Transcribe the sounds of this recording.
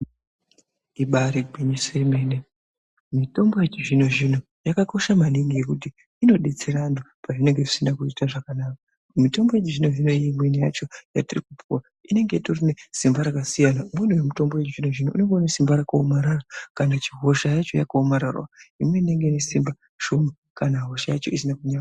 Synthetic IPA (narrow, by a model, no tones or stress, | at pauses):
iɓaɾiɡʱiɲiseimene | mito̞mbo̞jet͡ʃiʐino̞ʐino̞ | jakako̞ʃamaniŋɡije̞kutiː | no̞ɗet͡seɾandopaʐine̞ŋɡe̞ʐisinakuitaʐakanaːka | mito̞mbojet͡ʃiʐino̞ʐinoeimweneja̰t͡ʃo̞jatirikupuwa | ine̞ŋɡetorinesimbaɾakasijanaumwenuwemito̞mbojet͡ʃiʐino̞ʐinoʔune̞ŋɡeonesimbaɾakaomaɾarakanat͡ʃiɦo̞ʃajat͡ʃo̞ja̰kaomaɾa̰rwa̰imwe̞ine̞ŋɡe̞nesimba | ʒ̥oma | kanaɦoʃajat͡ʃo̞̰isinakuɲa